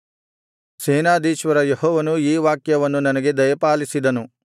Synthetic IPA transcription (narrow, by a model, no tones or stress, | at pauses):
seːnaːd̪iːʃʋɐɾɐjehɔːʋɐnuiːʋaːkjɐʋɐnːunɐnɐɡe̞d̪ɐjɐpaːlisid̪ɐnu